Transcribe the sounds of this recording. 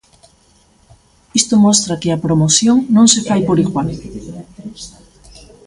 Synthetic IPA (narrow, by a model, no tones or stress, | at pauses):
ist̪omost̪ɾakɪapɾomoθjoŋnõŋsefajpoɾiɣwal